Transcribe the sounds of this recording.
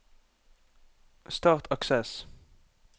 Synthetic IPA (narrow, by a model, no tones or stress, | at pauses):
st̪ɑːʁt̪ʰɑksɛs